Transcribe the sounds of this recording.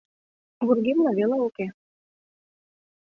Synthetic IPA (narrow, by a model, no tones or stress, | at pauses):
βurɡemlɑβeleuke